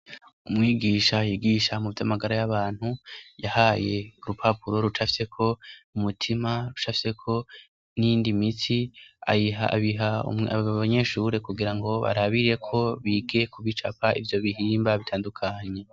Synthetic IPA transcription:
umŋiːɡiːʃajiɡiʃamuvjamaɡaɾajaβaːn̥hujahaje̞uɾupʰapuɾo̞ɾut͡ʃafi̥se̞kʰo̞umutʰimaɾut͡ʃafi̥se̞kʰo̞ | niːndimit͡sia̰iɦa̰βiɦa̰aβaɲe̞ʃuɾe̞kuɡiɾaŋɡo̞βa̰ɾaβiɾe̞kʰo̞βiɡe̞kuβit͡ʃapaʔḭvjo̞βiɦiːmbaβitʰaːndukʰaɲe̞

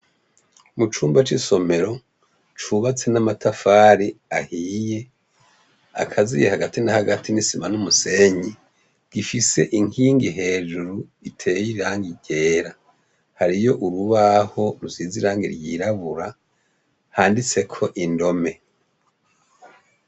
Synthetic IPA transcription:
mut͡ʃuːmbat͡ʃiso̞me̞ɾo̞ | t͡ʃuβat͡se̞namatʰafaːɾiahiːje̞ | a̰kʰazḭjehaɡatinahaɡatʰinisimanumuse̞ɲi | ɡ̥ifise̞ʔiŋhiːŋɡiɦe̞ːd͡ʒuɾu | itʰe̞ːjiiaːŋɡiɟe̞ːɾa | haɾijo̞ʔuɾuβaho̞ɾuziːziɾaːŋɡḭɾjḭɾaβuɾa | haːndit͡se̞kʰo̞ʔindo̞me̞

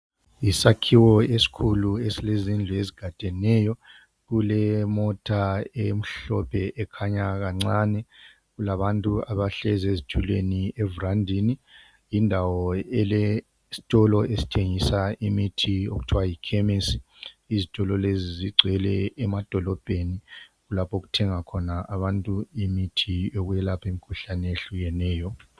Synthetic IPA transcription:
isakʰiwɔesi̥kʰuluesilezind͡ɮʱueziɡ̥ʱatʼɛnɛjɔ | ɣulɛmɔtʰaem̩ɬɔpʰɛʔɛkʰaɲaɣaŋ͡ǀanɛ | ɣulaβantʼuaβaɬɛzezit͡ʃʰuleniɛvurandʱini | indʱawɔɛlɛ | si̥tʼɔlɔesi̥tʰeŋisaʔimitʰio̰ɣutʰuwajikʰɛmesi | izitʼɔlɔleziziɡ͡ǀʱɛlɛɛmad̥ʱɔlɔb̥ʱeniɣulapʰoɣutʰɛŋakʰɔnaaβantʼuimitʰioɣujɛlapʰemikʰuɬanɛeɬuɣɛnɛːjɔ

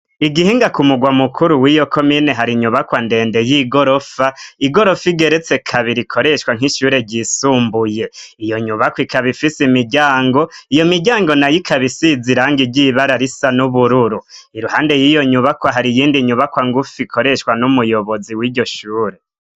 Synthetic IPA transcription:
iɡihiːŋɡakumuɡwamukʰuɾuwijo̞kʰo̞mineɦaɾiɲuβakwande̞ːnde̞jiɡoɾo̞faiɡo̞ɾo̞fiɡe̞ɾet͡se̞kʰaβiɾikʰo̞ɾe̞ʃwaŋ̥iʃuːɾe̞ɟisuːmbuje̞ijo̞ɲuβakwikaβifisimiɟaːŋɡo̞ijo̞miɾɟaːŋɡo̞najikʰaβisiziɾaːŋɡiɟiβaɾaɾisanuβuɾuɾu | iɾuhaːnde̞jiːjo̞ɲuβakwaɦaɾijiːndiɲuβakwaːŋɡufikʰo̞ɾe̞ʃwanumujo̞βo̞ziwiːɟo̞ʃuːɾe̞

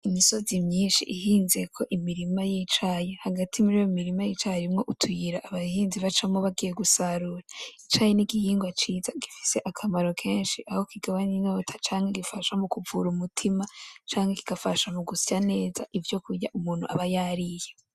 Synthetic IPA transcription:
imiso̞zimɲiːnʃḭʔihiːnzekʰo̞ʔimiɾimajiːt͡ʃajehaɡatʰimuɾijomiɾimajit͡ʃaimŋo̞ʔutʰujiɾaʔːβahiːnziβat͡ʃamoβaɡije̞ɡusaɾuɾait͡ʃajeniɡihiːŋɡwat͡ʃiːzaɡ̥ifi̥se̞ʔakʰamaɾo̞kʰeːnʃiʔaho̞kiɡaβanino̞ːtʰḁt͡ʃaːŋheɡifaʃamukuvuɾumutʰimat͡ʃaːŋheki̥ɡafaʃamuɡusane̞ːzaʔivjo̞kuɾjaʔumuːn̥hṵʔaβajaɾije̞

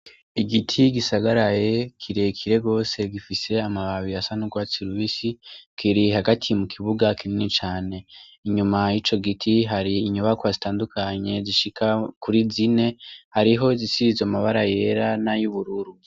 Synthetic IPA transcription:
iɡitʰiɡisaɡaɾaje̞kʰiɾe̞kʰiɾe̞ɡo̞ːse̞ɡifise̞amaβaβijasanuɡwat͡siɾuβisikʰiɾihaɡatʰimukʰiβuɡakininit͡ʃaːne̞ | iɲumajit͡ʃo̞ɡitʰiɦaɾiːɲuβakwazitaːndukʰaɲe̞ziʃikakuɾizine̞haɾiɦo̞zisizamaβaɾaje̞ɾanajuβuɾuɾu

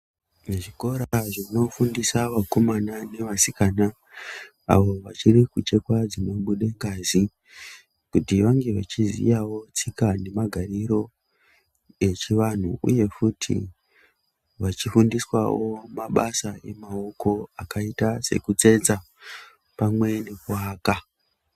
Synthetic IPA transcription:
ʐiko̞ɾaʐino̞fundisaʋako̞manane̞ʋasikana | a̰ʋo̞ʋat͡ʃirikut͡ʃe̞kwad͡zino̞ɓuɗeŋɡaːzi | kutiʋaŋɡe̞ʋat͡ʃizḭjawo̞t͡sikane̞maɡʱariɾo̞ | e̞t͡ʃiʋan̤uʔṵje̞futʰḭ | ʋat͡ʃifundiswa̰womaɓasae̞̰mao̞ko̞akaitase̞̰kut͡se̞d͡za | pamwe̞ne̞kuaːka

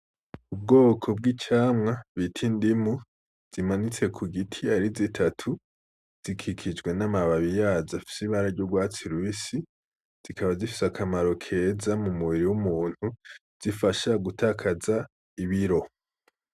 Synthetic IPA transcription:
ub̚ɡo̞ːkʰo̞b̚ɡit͡ʃaːmŋaβitʰindimu | z̥imanit͡se̞kʰuɡitʰiaɾizitʰatʰu | z̥ikʰikʰid͡ʒɡwe̞namaβaβijaːzafi̥siβaɾaɾɟoɡwaːt͡siɾwisi | z̥ikʰaβazifi̥sakʰamaɾo̞kʰe̞ːzamumuβiɾiwumuːn̥huz̥ifaʃaɡutakʰaza | iβiɾo̞

